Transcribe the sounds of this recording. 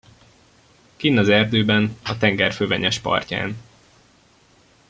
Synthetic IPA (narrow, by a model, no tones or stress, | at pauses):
kiːnːɒzɛrd̪øːbɛnɒt̪ɛŋɡɛrføːvɛɲɛʃpɒ̰rca̰ːn